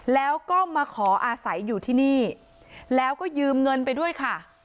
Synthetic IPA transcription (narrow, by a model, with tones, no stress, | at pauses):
lɛː˦˥wkɔː˥˩maː˧kʰɔː˩˦ʔaː˧sa˩˦jːuː˨˩t̪ʰiː˥˩niː˥˩ | lɛː˦˥wkɔː˥˩jɯː˧mŋɤ˧npa˧jdu˥˩əjkʰa˥˩